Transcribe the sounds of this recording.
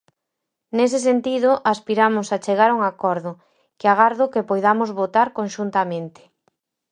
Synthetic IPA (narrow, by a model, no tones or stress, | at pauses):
nes̬ɪs̬ent̪iðʊʔaspiɾamʊsat͡ʃeɣaɾuŋakɔɾðʊ | keaɣaɾðʊkepojðamʊzβot̪aɾkonʃunt̪amẽnt̪ɪ̥